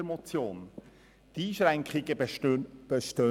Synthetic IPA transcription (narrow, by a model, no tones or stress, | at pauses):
mɔt͡sjoːn | t̪iːʃɾæŋkχɪɡə | b̥əʃtø